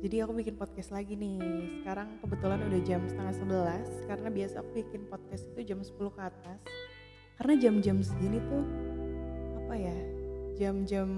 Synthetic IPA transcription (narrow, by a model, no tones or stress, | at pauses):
d͡ʒadiakubikɪnpɔt̪̚kɛst̪laɡinɪhsə̥kaɾaŋpəbət̪ulanudahd͡ʒamsə̥t̪aŋat̪səbəlaskaɾənabiasaːkubikɪnpɔt̪̚kɛst̪it̪ud͡ʒamsə̥puluhkəːt̪as | kaɾənad͡ʒamd͡ʒamsəɡinit̪u | apajad͡ʒamd͡ʒam